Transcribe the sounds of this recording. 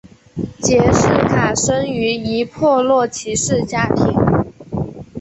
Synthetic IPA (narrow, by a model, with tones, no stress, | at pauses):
t͡ɕjɛ˨˩ʂɻ̩˥˩kʰa˨˩ʂə˥ŋy˧˥i˧˥pʰwɔ˥˧lwɔ˥˩t͡ɕʰi˧˥ʂɻ̩˥˩t͡ɕja˥t̪ʰi˧˥ŋ